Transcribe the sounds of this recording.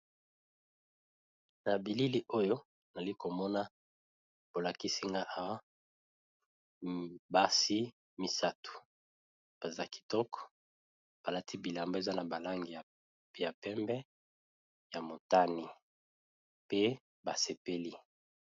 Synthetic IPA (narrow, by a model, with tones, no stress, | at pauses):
na˨bi˨li˦li˦ʔo˦jo˦ | na˨li˦ko˨mɔ˦na˦ | b̥o˨la˨ki˦si˦ŋɡa˦ʔa˨wa˦ | ba˦si˦ | mi˨sa˦tu̥˨ | b̥a˨za˦ki̥˨tɔ˦kɔ̥˨ | b̥a˨la˦ti˦bi˨la˨mbo˦e˨za˦na˨ba˨la˦ŋɡi˨a˨˦ | ja˨pɛ˦mbɛ˦ | ja˨mo˨ta˦ni˨ | pe˦ | ba˨se˨pe˦li˦